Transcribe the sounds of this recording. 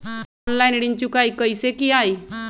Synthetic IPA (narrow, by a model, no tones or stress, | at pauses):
ɔnlajnɽiɲt͡ɕũkajkəjsekiaj